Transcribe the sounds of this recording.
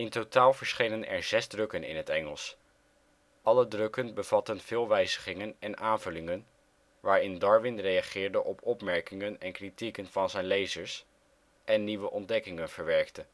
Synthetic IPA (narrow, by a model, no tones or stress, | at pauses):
ɪntotaːlˠvəɹsχejnənɛ̰ɹzɛzdrɵkənɪ̰nɦətɛŋəlˠs | ʔɑlədrɵkənbəvɑtənv̥ɪːlˠʋɛjzəχɪŋənɛnʔaːnvɵlɪŋən | ʋaːɹɪndɑɹʋɪnrejɑχɪːɹdəʔɔpʰɔpmɛɹkɪŋənɛnkritikənv̥ɑnzɛjnlejzəɹs | ʔɛnːiʋəʔɔndɛkɪŋənv̥əɹʋɛɹktə